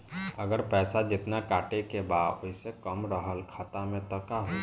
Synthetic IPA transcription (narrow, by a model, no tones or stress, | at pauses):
əɡəɾpɛːsad͡ʒɪt̪nakaːʈekebaːoisekəmɾəɦəlkʰaːt̪amẽt̪əkaɦo